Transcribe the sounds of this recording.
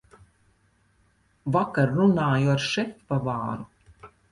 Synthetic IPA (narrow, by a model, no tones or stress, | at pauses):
vakaɾɾunaːjuaɾʃɛt̪pavaːɾu